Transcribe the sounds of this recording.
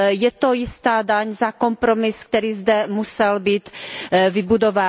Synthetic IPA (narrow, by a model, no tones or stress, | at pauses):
jɛt̪o̞jɪst̪aːdaɲzako̞mpɾomɪsk̚t̪ɛɾiːzd̪ɛmusɛlbiːt̪vɪbudo̞vaː